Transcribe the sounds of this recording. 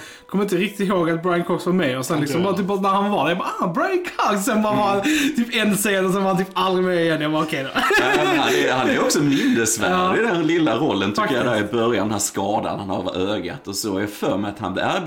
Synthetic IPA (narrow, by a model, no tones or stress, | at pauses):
kʰɔmːɪnt̪̬əɾɪk̚t̪ɪt̪ɦoːɡat̪̚bɾajnkʰɔksvɑɾmɛjɔsɛnlɪksɔmbɑːɾat̪yːpnæɾhanvɑd̪æjbɑabɾajnkʰɔkssɛnbɑːɾavɑɾhant̪ʰyːpɛnseːnɔsɛnvɑɾhant̪yːpald̪ɾɪmɛɛd̪jabɑɾɔkʰɛɪd̪ɛhanɛ̰hanæɾɔksɔmɪnːəsvæ̰ɑːɖɪd̪ɛnlɪlːaɾɔlːənt̪ʰʏəjad̪ɛhæːɾɪbœɾja̰ndɛnæːɾskɑːd̪a̰nhanhɑ̰ɾva̰ɾøːɡa̰t̪ɔsɔaɾjafœːɾmɛjat̪ha̰nb̪æɾ